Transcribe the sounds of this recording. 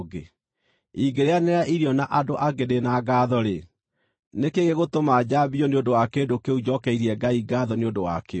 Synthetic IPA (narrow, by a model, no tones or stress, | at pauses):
ɡe | iɡeɾeaneɾaʔiɾiɔnaʔadoʔaɡeɾenaːɡaðɔɾe | nekeɣeɣotomaːd͡ʑabiɔneondowakedokeud͡ʑɔkɛiɾiɛɡaiɡaːðɔneodowa̰ke